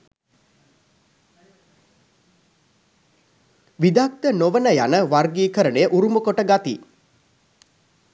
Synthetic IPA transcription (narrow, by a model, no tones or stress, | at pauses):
ʋid̪ak̚t̪ənoʋənəjanəʋarɡiːkəɾənejəʔuɾumukoʈəɡat̪ḭ